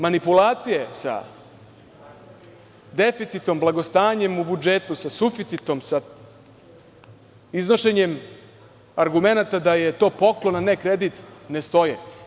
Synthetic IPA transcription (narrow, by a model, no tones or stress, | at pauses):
manipulˠaːt̪sijesa̰ | d̪efit̪sit̪o̞mblaɡo̞st̪aːɲe̞mubud͡ʒet̪usasufit̪sit̪o̞msa | izno̞ʃe̞ɲe̞m | aɾɡume̞nat̪ad̪aje̞t̪o̞ːpo̞klonanekɾed̪it̪ne̞st̪o̞jḛ